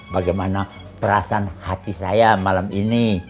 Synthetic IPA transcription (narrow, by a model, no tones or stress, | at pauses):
baɡajmana | pəɾasaanhat̪isajamalamini